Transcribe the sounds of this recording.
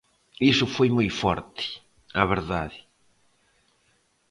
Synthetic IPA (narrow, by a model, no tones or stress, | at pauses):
isʊfojmojfɔ̰ɾt̪ɪ̥ | aβeɾða̰ðɪ